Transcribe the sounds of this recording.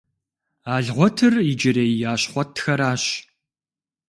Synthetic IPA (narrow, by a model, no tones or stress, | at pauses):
aːɮʁʷɔtʰɨrid͡ʒɪɾejjaːɕχʷɔtʰːxɐɾaːɕ